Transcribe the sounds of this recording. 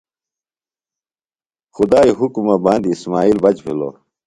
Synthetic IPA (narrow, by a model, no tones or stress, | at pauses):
xud̪aːiɦukumɐbãːnd̪iːsmaːiːlbɐt͡ɕpʰḭlo̰ː